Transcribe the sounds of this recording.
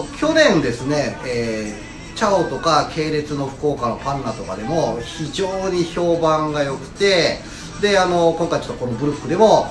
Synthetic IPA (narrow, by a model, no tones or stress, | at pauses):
kʲo̞nẽ̞nd̪e̞sɨne̞eː | t͡ɕaot̪o̞kakʰe̞ːɾe̞t͡sɨno̞ɸɯ̥ko̞ːkanopãnːat̪o̞kad̪e̞mo̞çiʑo̞ːɲ̟iço̞ːbãŋɡajo̞kɯ̟̥t̪e̞ | d̪e̞ano̞kõ̞ŋkait͡ɕo̞t̪ːko̞no̞bɯ̟ɾɯ̟pːɯ̟d̪e̞mo̞